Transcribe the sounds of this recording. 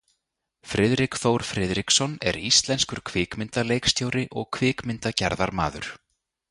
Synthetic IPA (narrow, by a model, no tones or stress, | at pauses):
fɾɪðɾɪkθowɾ̥fɾɪðɾiksɔnɛ̰ɾist̪lɛnskʏɾ̥kʰvɪːkmɪnt̪alejkst̪joːwɾɪʔɔɣkʰvɪːkmɪnt̪acɛɾðaɾma̰ːðʏɾ̥